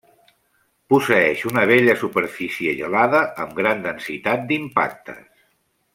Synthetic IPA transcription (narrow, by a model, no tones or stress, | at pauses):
pusəɛʃunəβ̞eʎəsupəɾfisiəʒə̰laðəʔəmɡɾand̪ənsit̪at̪̚d̪impa̰k̚t̪ʰə̰s